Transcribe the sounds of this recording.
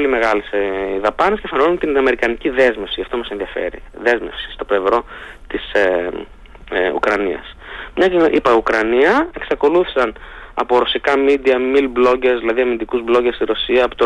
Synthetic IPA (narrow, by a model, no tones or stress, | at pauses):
olime̞ɣɐlesðɐpɐnescefɐnonunt̪inɐme̞ɾikɐniciðe̞zme̞fsijʝɐft̪o̞mɐsenðiɐfe̞̰ɾḭðe̞zme̞̰fsi̥st̪o̞ple̞vɾo̞t̪ise | ṵkɾɐniɐ̰smɲɐcʔipɐiukɾɐniɐe̞ksɐko̞luθisɐnɐ̰po̞ɾo̞sikɐmid̪iɐmilblo̞ɟezðilɐðiɐmind̪ikuzblo̞ɟest̪iɾo̞siɐːpot̪o